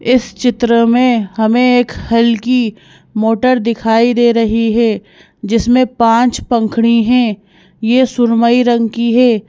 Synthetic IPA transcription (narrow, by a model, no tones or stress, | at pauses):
ɪst͡ʃɪt̪ɾəmẽɦɐmẽeːkhɐlki | moːʈəɾd̪ɪkʰaːid̪eːɾɐɦiɦɛː | d͡ʒɪsmẽpãːt͡ʃpɐ̃ŋkʰɽ̃iɦɛ̃ | jesʊɾməiɾɐ̃ŋɡkiɦɛː